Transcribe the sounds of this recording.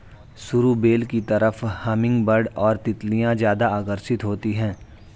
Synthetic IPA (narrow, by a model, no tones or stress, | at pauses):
sʊɾubeːlkit̪ɐɾəfhaːmɪ̃ŋɡbəɾɖɔːɾt̪ɪt̪lijãzjaːd̪aaːkəɾsɪt̪ɦoːt̪iɦɛ̃ː